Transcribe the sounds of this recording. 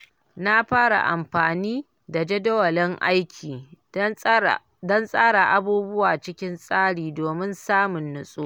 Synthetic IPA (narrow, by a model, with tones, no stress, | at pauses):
na˦ɸaː˦ɽa̰˨ʔa̰˨mɸaː˨niː˦ | da˨d͡ʒe˦dɐ˦wɐ˨lɪ˦ŋʔa̰˦jkʲʰiː˨ | dɔ˦nsʼaː˦ɽa˨ʔa˦buː˦bʊ˦waː˨t͡ʃɪ˦kʲɪ˦nsʼaː˦ɽiː˨doː˨mɪ˦nsaː˦mʊ˨nːʊ˦sʼuː˦